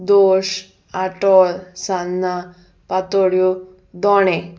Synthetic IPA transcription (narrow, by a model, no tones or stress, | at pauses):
d̪oʂ | aʈɔlsanːa | pat̪oɽju | d̪ɔɽe